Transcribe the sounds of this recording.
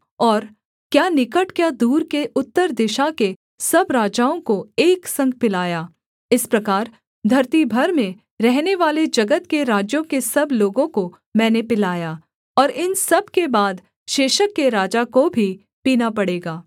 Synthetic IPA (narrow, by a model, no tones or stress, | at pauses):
ɔːɾ | kjaːnɪkəʈkjad̪uːɾkeʔʊt̪ːəɾd̪ɪʃake | sɐbɾaːd͡ʒaːõkoeːksɐ̃ŋɡ̚pɪlaːjaː | ɪspɾɐkaːɾ | d̪ʱɐɾt̪ibʱɐɾmẽ | ɾɛɦneʋaːled͡ʒɐɡət̪keɾaːd͡ʒjõkesɐbloːɡõko | mɛ̃ːnepɪlaːjaː | ɔːɾɪnsɐb̚ʱkebaːd̪ | ʃeːʃəkːeɾaːd͡ʒakobʱi | piːnapɐɽeːɡaː